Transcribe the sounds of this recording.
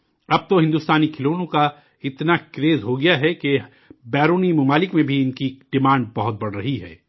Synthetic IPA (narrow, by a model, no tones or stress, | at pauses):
ɐb̚t̪oɦɪ̃nd̪uːst̪aːnikʰɪloːnõka | ɪt̪nakɾeːzɦoɡɐjaɦɛke | bɛːɾoːnimʊmaːlɪkmẽbʱiɪnkiɖ̥ɪmãːɳɖ̚bɐɦʊt̪̚bɐɽ̤ɾɐɦiɦɛ̰ː